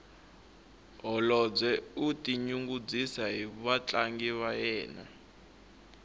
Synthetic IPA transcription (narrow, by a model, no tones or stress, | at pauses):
ɦɔlɔd͡zɛutʼiɲuŋɡud͡zisaɦiβat͡ɬʼaŋɡiβajɛːna̰